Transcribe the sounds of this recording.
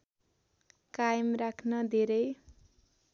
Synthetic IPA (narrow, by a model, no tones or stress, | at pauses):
kajmrakʰnʌd̪ʱeɾʌj